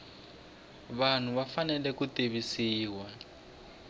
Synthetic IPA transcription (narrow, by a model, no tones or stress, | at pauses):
βan̤uβafanɛlɛkuteβisiːwa